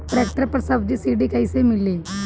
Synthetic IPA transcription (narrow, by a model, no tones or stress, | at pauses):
ʈɾɛk̚ʈəɾpəɾsəbd̪iːsiɽiːkajsemilːi